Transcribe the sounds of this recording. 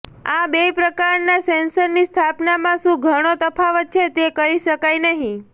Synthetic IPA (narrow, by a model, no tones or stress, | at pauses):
abepɾəkaɾnasensəɾnist̪ʰapnamãʃũɡʱəɽ̃ot̪əpʰaʋət̪̚t͡ʃʰet̪ekəɾiʃəkajnəɦĩ